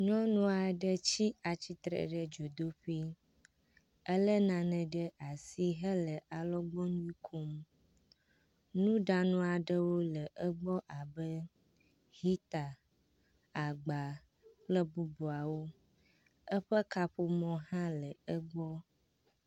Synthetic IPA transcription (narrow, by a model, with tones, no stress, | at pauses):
ɲɔ̃˦nũ˦a˨ɖə˦t͡ɕi˦a˨t͡ɕi˦t̪ɾə̰˨ɖə˨d͡ʒo˨d̪o˦ɸi˦ | ə˦lə˦nã˨nə̃˨ɖə˦ʔa˨si˦ɦə˦lə˨ʔa˨lɔ˦ɡ͡bɔ˦ɲ˦ĩ˦kʰo˦m | nũ˦ɖa˨nũ˦a˨ɖə˦wo˦lə˨ʔə˦ɡ͡bɔ˦ʔa˨bə˦ | ɦi˦t̪a˨ | a˨ɡ͡ba˨ | k͡plə˦bu˦bo˨a˨wo˦ | ə˦ɸə˦ka˦ɸo˨mɔ̃˨ɦã˦lə˨ə˦ɡ͡bɔ˦